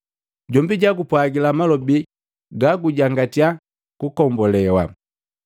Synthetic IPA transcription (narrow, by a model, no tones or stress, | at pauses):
ɟɔmbiɟaɡupwaɡilamalɔbi | ɡaɡuɟaŋɡatia | kukɔmbɔlɛwa̰